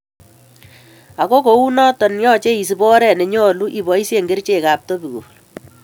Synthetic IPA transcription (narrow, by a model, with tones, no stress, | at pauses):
a˨ko˦ko˨u˦nɔ˦tɔ˨njɔ˦t͡ʃe˦i˨s̬i˨bɔ˦ɾɛ˦˨ne˨ɲɔ˦lu˦ʔi˨bɔ˨i˦sje˦ŋɡe˦rt͡ʃe˦˨ka˨p̚tɔ˦bi˨ko̰˨